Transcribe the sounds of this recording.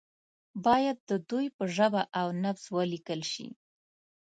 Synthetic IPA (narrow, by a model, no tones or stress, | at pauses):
bɑjad̪̚ːəd̪ujpəʒəbaʔawnafswəlikəlʃḭ